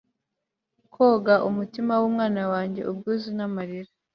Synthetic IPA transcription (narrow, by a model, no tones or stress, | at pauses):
kʰoːɡaʔumutimawumŋaːnawaːɲɟe̞̰ubɡuːzinamaɾiɾa